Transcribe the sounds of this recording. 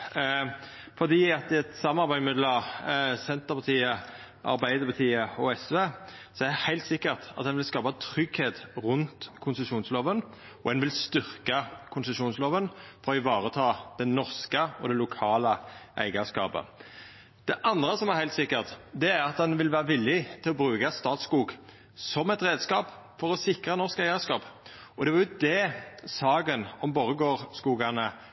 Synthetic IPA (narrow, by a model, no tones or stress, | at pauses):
fɔd̪iːɑt̪ɪɛt̪sɑmɑʁbæɪmɪd̪ləʁsɛnt̪əʁpɑt̪ʰiːə | ʔɑ̰ʁbæɪd̪əpʰɑt̪ʰiːəɔɛsʋeːsɔɛʁdɛhæɪlt̪sɪkːəʁt̪ɑt̪d̪ɛnʋɪlskɑːpɑt̪ʰʁʏɡheːt̪ʁʉnt̪kʰʊnsəʂuːnsloːʋən | ɔɛnʋɪlst̪ʏʁkəkʰʊnsəʃuːnsloːʋənfɔʁɔɪʋɑːʁət̪ʰɑːd̪̥ɛnɔʁskəɔd̪ɛlʊkʰɑːləʔæ̰ɪɡɑskɑ̰ːpə̰ | d̪̥ɛʔɑnd̪ʁəsɔmæʁhæɪlt̪sɪkːəʁt̪d̪ɛæɾɑt̪d̪ɛnʋɪlʋæːɾəʋɪlːɪt̪ʰɪlɔbɾʉːkɑst̪ɑːt̪skuːɡ | sɔmɛt̪ɾeːd̪skɑːp | fɔɾɔsɪkʁənɔʁskæɪəskɑːp | ɔd̪ɛʋɑjʊd̪ɛsɑːɡənɔmboʁəɡoːʁskuːɡɑnə